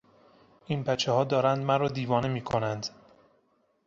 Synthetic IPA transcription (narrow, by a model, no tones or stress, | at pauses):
ʔinbæt͡ʃʰehɒːd̪ɒːɾænd̪mæɾɒːd̪iːvɒːnemiːkʰonænd̪